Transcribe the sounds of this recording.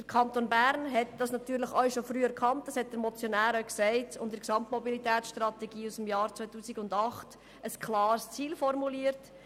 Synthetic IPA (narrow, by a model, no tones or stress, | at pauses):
d̥əɾkʰɑntonbæɾnɦɛtd̥ɑsnɑtyːɾləχœʃofɾyːəɛɾkχɑnt̚dɑshɛt̚d̥əɾmɔt͡sjonæːɾœksɛɪtʊ̰ntdəɾksɑmtmɔbilitɛːtt͡ssʃtrɑt̪ɛɡ̥iːusəm̩jɑːɾt͡sʋœɪtuːsiɡʊndɑχt | əskʰlɑːɾst͡siːlfɔɾmuliːəɾt